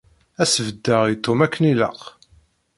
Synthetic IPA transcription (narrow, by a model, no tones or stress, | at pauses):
æsəvəd̪ːəʁit̪ːomækːənilə̰q